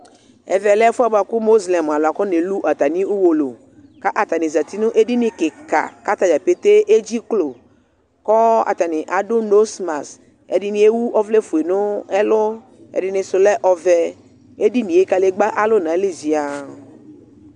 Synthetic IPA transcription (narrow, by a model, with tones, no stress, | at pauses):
ɛ̰˨vɛ˨lɛ˦fu˦a˨ba˨kʊ˦mo˦zlɛ˨m˨a˨lʊ˨a˨kɔ˦ne˨lu˦ʔa˨t̪a˨nĩ˦u˦wo˨lo̰˨ | ka˦ʔa˨t̪a˨nɪ̃˨za˨t̪i˦nʊ̃˦ʔe˦di˦nɪ̃˨kɪ˨ka̰˨ka˦t̪a˨d͡ʒa˨pe˦t̪e˦ʔe˦d͡ʒi˦klo˨ | kɔ˦a̰˨t̪a˨nɪ˨ʔa˨dʊ˦no˦sma˨s | ɛ̰˨dɪ˦nĩ˨e˦wu˦ʔɔ˦vle˦fu˨e˨nʊ̃˦ɛ˦lʊ˦ | ɛ̰˨dɪ˨nɪ̃˨sʊ˨lɛ˦ʔɔ˨vɛ˨ | e˦di˦nĩ˨e˦ka˨le˦ɡ͡ba˦ʔa˦lʊ˦nã˨˦li˦zi˨a˨